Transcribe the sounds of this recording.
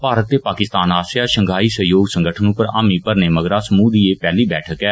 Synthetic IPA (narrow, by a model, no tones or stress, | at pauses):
paːɾət̪ːeːpaːkɪst̪aːnaːsjaːʃəŋɡʱaːiːsəɦjoːɡsə̃ŋɡəʈʰənũːpəɾa̰ːmiːpəɾneːməɡɾaːsəmuːd̪iːeːpɛːliːbɛːʈʰəkɛː